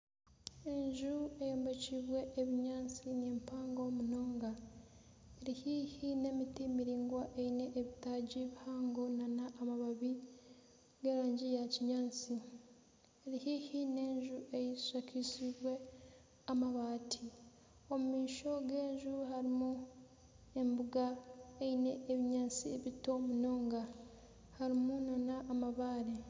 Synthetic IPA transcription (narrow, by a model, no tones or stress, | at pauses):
e̞ɲʒue̞joːmbe̞ciːβwe̞ʔːβiɲaːnt͡sineːmpaːŋɡo̞muno̞ːŋɡa | eɾihiːhine̞mitimiɾiːŋɡwaʔeine̞ʔːβitaɟiβihaːŋɡonanaʔːmaβaβi | ɡe̞ːɾaːɲɟijaciɲaːnt͡si | eɾihihine̞ːɲʒue̞ji̥ʃakisiβwe̞ | amaβaːtʰi | omumiːʃo̞ɡe̞ːɲʒuɦaɾimu | e̞mbuɡaeine̞ːβiɲaːnt͡sieβito̞muno̞ːŋɡa | haɾimunanaʔːmaβaːɾe